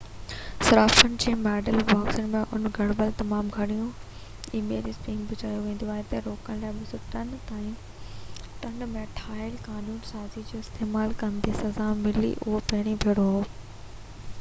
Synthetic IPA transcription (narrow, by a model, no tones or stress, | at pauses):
sɐɾaːfənɪ̆d͡ʑeːmɛːɖəlbaːksənɪ̆mẽʔʊ̰nɡʱɐɽbəlt̪ɐmaːmɡʱɐɽijũ | imeːɾispĩːŋɡbʊd͡ʑaːjoʋẽːn̆d̪oaːɦet̪ɐɾoːkəñlaːɪɓʊsʊʈɐnt̪aːĩ | ʈɐ̃ɳɖmẽʈʰaːɪlkaːnuːnsaːzid͡ʑoːɪst̪eːmaːlkɐnd̪esɐzamɪlḭʔʊɦopɐɦɪɽ̃ĩbʱeːɽoɦoː